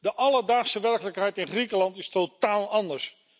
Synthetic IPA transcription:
dəʔɑləɹdaːχsəʋɛɹkələkɦɛjtɪnχrikəlɑntɪstotaːlˠɑndəɹs

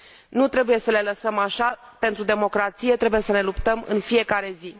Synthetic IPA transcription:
nut̪ɾe̞buje̞səle̞ləsəmaʃape̞nt̪ɾud̪e̞mo̞kɾat̪sije̞t̪ɾe̞buje̞səne̞lupt̪əmɨ̰nfije̞kaɾe̞zi

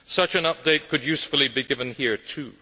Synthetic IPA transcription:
sʌt͡ʃɨ̃nʌp̚d̥eɪt̚kʰɨd̚jʉsfl̩ˠibiɡɪvɨ̃nhiɹtʰʉ

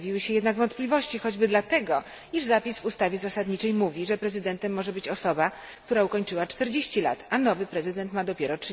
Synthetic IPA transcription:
vʲiwɘɕɛjɛd̪naɡvɔnt̪̚plʲivɔɕt͡ɕixɔd͡ʑbɘd̪lat̪ɛɡɔ | iʐzapʲisvust̪avʲjɛzasad̪ɲit͡ʂɛjmuvʲiʐɛpɾɛzɘd̪ɛnt̪ɛmːɔʐɛbɘt͡ɕɔsɔba | kt̪uɾaukɔɲt͡ʂɘwat͡ʂt̪ɛɾd͡ʑeɕt͡ɕila̰t̪anɔvɘpɾɛzɘd̪ɛnt̪mad̪ɔpʲjɛɾɔt͡ʂʂ

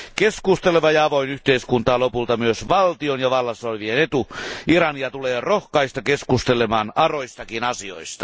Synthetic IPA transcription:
keskust̪eleʋɑjɑɑʋoinyht̪eiskunt̪ɑːlopult̪ɑmyøsʋɑlt̪ionjɑʋɑlːɑsolʲʋienet̪uirɑniɑt̪uleːrohkɑist̪ɑkeskust̪elemɑːnɑroist̪ɑkinɑsio̰ist̪ɑ̥

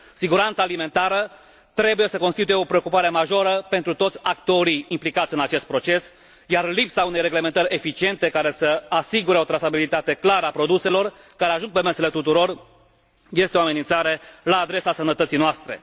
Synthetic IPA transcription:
siɡuɾant̪saːlime̞nt̪aɾə | t̪ɾe̞buje̞səko̞nst̪it̪uje̞o̞pɾeo̞kupaɾe̞maʒo̞ɾəpe̞nt̪ɾut̪ot̪sʲak̚t̪o̞ɾiimplikat̪sʲɨnat͡ʃe̞st̪̚pɾo̞t͡ʃe̞s | jarlipsaunejre̞ɡle̞me̞nt̪əɾʲe̞fit͡ʃie̞nt̪e̞kaɾe̞səasiɡuɾeot̪ɾasabilit̪at̪e̞klaɾəapɾo̞d̪use̞lo̞r | kaɾe̞aʒuŋɡ̚pe̞mesele̞t̪ut̪uɾo̞r | je̞st̪eo̞ame̞nint̪saɾe̞laːd̪ɾe̞sasənət̪ət̪sijnoast̪ɾe̞̰

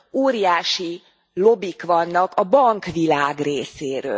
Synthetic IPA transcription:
oːɾijaːʃi | lo̞bikʋɒnːɒkɒbɒŋkʋilaːɡreːseːɾø̰ː

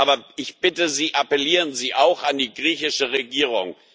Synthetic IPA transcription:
aːbɐɪçb̥ɪtəziːʔapɛliːʁənziːʔaʊxandiːɡʁiːçɪʃəʁeɡiːʁ̞ʊŋ

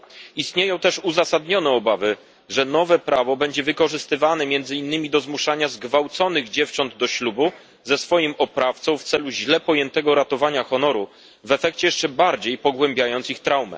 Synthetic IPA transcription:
ist̪ɲejɔ̃w̃t̪ɛʂuzasad̪ɲɔnɛɔbavɘ | ʐɛnɔvɛpɾavɔbɛɲd͡ʑɛvɘkɔʐɘst̪ɘvanɛmʲjɛnd̪zɘinːɘmʲid̪ɔzmuʂaɲazɡvawt̪sɔnɘɣd͡ʑɛft͡ʂɔnd̪d̪ɔɕlubu | zɛsfɔjimɔpɾaft̪sɔ̃w̃ft̪sɛluʑlɛpɔjɛnt̪ɛɡɔɾat̪ɔvaɲaxɔnɔɾu | vɛfɛkt͡ɕɛjɛʂt͡ʂɛbaɾd͡ʑejpɔɡwɛmbʲjajɔnt̪sixt̪ɾawmɛ̰

